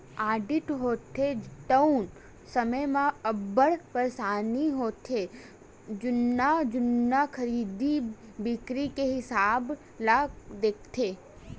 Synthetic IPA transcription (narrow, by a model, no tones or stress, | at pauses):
aːɖɪʈɦoːt̪ʰːeʈəʊn | səməjmãɐbəɽpəɾsaːniɦoːt̪ʰe | d͡ʒʊnːad͡ʒʊnːakʰɐɾiːd̪i | bɪkɾikeɦɪsaːb | laɡd̪eːk̚ʰt̪ʰeː